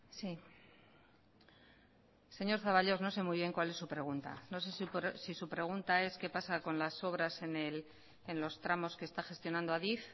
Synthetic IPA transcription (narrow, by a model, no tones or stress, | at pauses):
si | se̞ɲo̞ɾθaβaʎo̞zno̞se̞mijβje̞ŋkwale̞sːupɾe̞ɣunt̪a̰no̞s̬e̞supsisupɾe̞ɣ̞unt̪ae̞ske̞pasako̞nlaso̞β̞ɾase̞nel | enlo̞st̪ɾamo̞ske̞st̪axe̞st̪jo̞nãnd̪oaðif